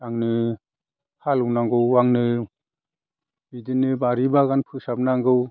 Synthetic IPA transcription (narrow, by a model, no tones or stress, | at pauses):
aŋnɯ | halɯnaŋɡɯwaŋnɯ | bidinɯbaɾibaɡanpʰɯsap̚naŋɡɯw